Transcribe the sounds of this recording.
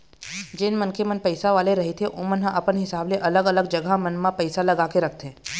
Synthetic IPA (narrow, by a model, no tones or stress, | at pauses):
d͡ʒɪnmənkemənpɐɪsaʋaːleɾɐɦet̪ʰeʔʊ̃mənɦãʔɐpənɦɪsaːbleʔɐləɡɐləɡ̚d͡ʒɐɡʱamə̃nmãpɐɪsalɐɡaːkeɾɐk̚ʰt̪ɦẽː